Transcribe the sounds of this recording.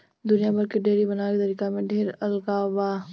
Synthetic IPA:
d̪ʊnijabɐɾkeɖeːɾibɐnaɾit̪ɐɾiːkamẽɖʱeːɾɐlkaʋaː

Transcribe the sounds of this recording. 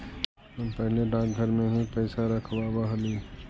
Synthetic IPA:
pɐɦleɖãːsɡʱəɾmẽɦipɛɪsaɾɐkʰʋaːbaɦɐli

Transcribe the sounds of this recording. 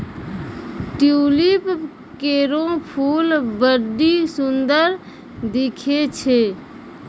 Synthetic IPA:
ʈjuːlip | keːɾõpʰuːlbəɾɖisʊnd̪əɾ | d̪ɪkʰet͡ʃʰe

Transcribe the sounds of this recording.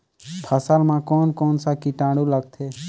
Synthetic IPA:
pʰəsəlmãːkoːnkoːnsakiʈãːɽuləɡ̚t̪ʰeː

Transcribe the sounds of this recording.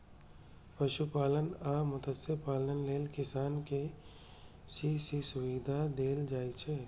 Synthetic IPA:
pɐʃupaːlənaːmʊt̪əseɾpaːlənleːlkɪsaːnke | sisisʊʋid̪ʱad̪eːld͡ʒaːit͡ʃʰeː

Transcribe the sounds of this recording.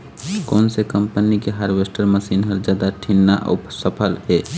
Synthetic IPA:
kɔːnsekəmpənikeɦəɾʋesʈəɾməsiːnɦəɾd͡ʒjaːd̪aʈʰinːaʔo̰psəpʰəlɦɛː

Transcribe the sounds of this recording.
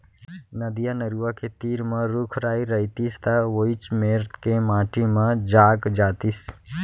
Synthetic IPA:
nəd̪ijanəɾuwaket̪iːɾmẽɾukʰɾaːiɾəit̪ist̪aʋoit͡ʃmeɾt̪kemaːʈimə̃d͡ʒaːɡd͡ʒaːt̪is

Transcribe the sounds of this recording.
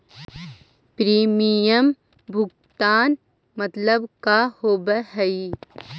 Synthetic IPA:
pɾiːmijəm | bʱʊk̚ | t̪aːn | mət̪ləbkahoːbəɦɛi

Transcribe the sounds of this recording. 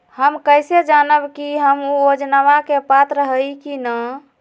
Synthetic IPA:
həmkəjsed͡ʒanəbkiɦəmuod͡ʒnəʋakepat̪ɾəɦəjkinə

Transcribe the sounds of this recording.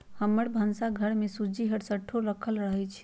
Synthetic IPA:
həməɽbʱənsaɡʱəɽmesud͡ʒiɦəɽsəʈʰːoɾəkʰəlɾəɦət͡ʃʰ

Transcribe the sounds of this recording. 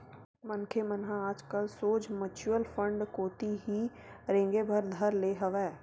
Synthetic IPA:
mənkʰemənɦãaːd͡ʒkəlsoːd͡ʒmət͡ʃuəlfʰə̃ɳɖkoːt̪iɦi | ɾɪ̃ŋɡebʱəɾd̪ʱəɾleːɦəʋɛː

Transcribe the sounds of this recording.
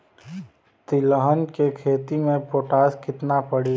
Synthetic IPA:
t̪ɪləɦənkekʰeːt̪imẽpoːʈaːskɪt̪napəɽiː

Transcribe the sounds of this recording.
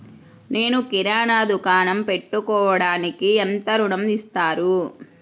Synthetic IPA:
ne̞ːnukiɾaːɳaːd̪ukaːnɐmpe̞ʈːukɔːʋɐɽaːnikient̪ɐɾuɳɐmist̪aːɾu

